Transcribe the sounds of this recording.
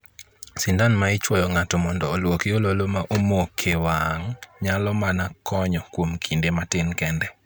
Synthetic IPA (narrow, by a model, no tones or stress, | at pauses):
sɪndanmaɪt͡ʃwɔjɔŋatɔmɔndɔːlwokiololomaʔomokʰewaŋɲalɔmanakʰɔɲɔkwomkʰindematɪnkɛndɛ